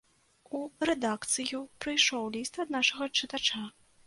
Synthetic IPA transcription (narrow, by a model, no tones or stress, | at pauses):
urɛd̪akt̪sɨjupɾɨjʂɔwlʲist̪ɐd̪naʂɐɣɐt͡ʂɨt̪at͡ʂa